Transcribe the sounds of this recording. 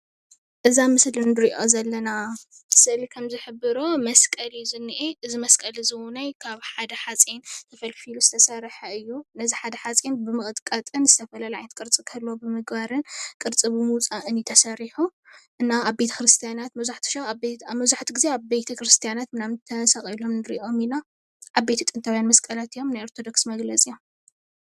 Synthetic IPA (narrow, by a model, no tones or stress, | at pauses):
ʔɨzamɨslind̪ɨɾiʔozɐlːɐna | sɨʔlikʰɐmzɨħɨbɨɾomɐskʼɐlizɨnːiʔeʔɨzimɐskʼɐlizɨwunajkʰaβħad̪ɐħat͡sʼent̪ʰɐfɐlfiluzɨt̪ʰɐsɐɾħɐɨjːunɐziħad̪ɐħat͡sʼinbɨmɨχʼt̪ʼkʼɐt̪ʼɨnzɨt̪ʰɐfɐlalaʕajnt̪kʼɨɾt͡sʼɨkʰɐlːobɨmɨɡbaɾɨnkʼɨɾt͡sʼɨβɨmɨt͡sʼaʔɨnit̪ʰɐsɐɾiħuʔɨnːaaβbet̪ʰɐ̥kɾɨst̪ʰijanat̪mɐzaħt̪ʰu̥ʃamɐzaħt̪iɡize̞aβbet̪ʰɐkɾɨst̪ʰijanat̪mɨnamt̪ʰɐsaχʼilo̞mnɨɾḭʔo̞mina | ʔaβbet̪ʰit̪ʼɨnt̪ʰɐβajanmɐskʼɐlat̪ijːo̞mnajoɾt̪ʰod̪o̞ksmɐɡlɐt͡sʼijom